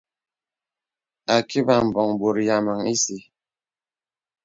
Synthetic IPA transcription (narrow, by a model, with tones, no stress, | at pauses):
a˨ki˦ba˨m̩˨bɔ˨ŋbo˨ɾja˨ma˨ŋi˦si˨